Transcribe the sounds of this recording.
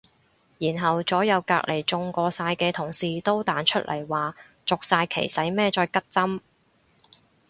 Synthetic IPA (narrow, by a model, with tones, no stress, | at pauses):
jiː˨˩nɦɐ˨wt͡sɔː˨˥jɐ˨˧wka̰ː˧k̚lʔe˨˩jt͡sʊ˧ŋkɔː˧saː˧jkɛː˧t̪ʰʊ˨˩ŋsiː˨t̪o˥wt̪aː˨˥nt͡ʃʰɵ˥t̚lʔɐ̰˨˩jwaː˨ | t͡sʊ˨k̚saː˧jkʰḛ˨˩jsɐ˨˥jmɛː˥t͡ʃɔː˧jkɐ˥t̚t͡sɐ˥m